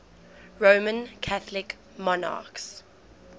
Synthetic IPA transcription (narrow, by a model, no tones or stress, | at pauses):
ɹoːmə̃nkʰaθlɪk | mɔna̰ːˑks